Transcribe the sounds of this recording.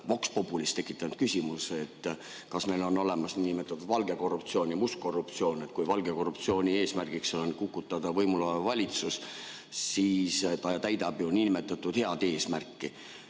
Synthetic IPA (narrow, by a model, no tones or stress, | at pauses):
vɑkspo̞pːˑulist̪e̞kːˑi̥t̪ːˑɑnud̪̥̚kysʲimuset̪ː | kɑsme̞lo̞no̞le̞mɑsniːnimet̪ːˑɑt̪ud̪̥vɑlɡ̥e̞ko̞rːup̚t̪sio̞ːnjɑmusk̚ko̞rːupt̪sio̞ːne̞t̪kujvɑlɡe̞ko̞rup̚t̪sio̞ːnʲie̞ːsmærɡ̥ikso̞nkukːˑut̪ːˑɑd̪̥ɑvɤjmulɑevɑlʲit̪sus | siːst̪ɑt̪æjd̪̥ɑb̥juniːnime̞t̪ːˑɑt̪ːˑud̪̥heɑd̪̥e̞ːsmærkːi